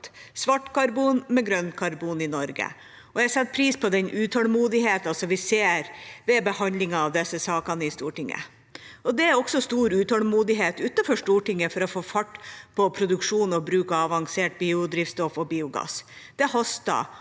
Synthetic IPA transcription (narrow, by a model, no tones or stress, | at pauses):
sʋɑʈːkɑɾbuːnmɛɡɾœnkʰɑɾbuːnɪnɔɾɡə̰ | ɔjɛsɛt̪̚ːpʰɾiːspʰɔd̪ɛnʔʉːt̪ʰɔlmuːd̪ɪheːt̪ɑsɔmʋɪseːɾʋɛbəhɑnd̪lɪŋɑɑʋd̪ɛsːəsɑːkɑnəɪst̪uːʈɪŋːə̰ | ɔd̪ɛæɾɔksɔst̪uːɾʉːt̪ʰɔlmuːd̪ɪɦeːt̪ʉt̪nɑfɔʂʈuːʈɪŋːəfɔɾɔfoːfɑʈːpʰɔpʰɾʊd̪ʉkʂuːnɔbɾʉːkɑɑʋɑŋseːʈ̚biːʊd̪ɾiːʋst̪ɔfɔbiːʊɡɑ̰sd̪̥ɛhɔst̪ɑ̰